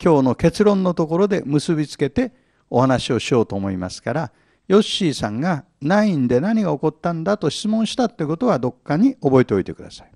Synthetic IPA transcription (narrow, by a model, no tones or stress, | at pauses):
kʲo̞ːno̞ke̞t͡sɨɾõ̞nːo̞t̪o̞ko̞ɾo̞d̪e̞mɯ̟sɨbʲit͡sɨ̥ke̞t̪e̞ | o̞hanaɕio̞ɕio̞ːt̪o̞ːmo̞ima̰sɨ̥kaɾa | jo̞ɕːiːsãŋɡa | naĩnd̪e̞naɲ̟iɡao̞ko̞t̪ːãnd̪at̪o̞ɕi̥t͡sɨmõɰ̃ɕi̥t̪at̪ːe̟ko̞t̪o̞βad̪o̞kːaɲ̟io̞bo̞et̪eo̞it̪e̞kɯ̟d̪asḁi̥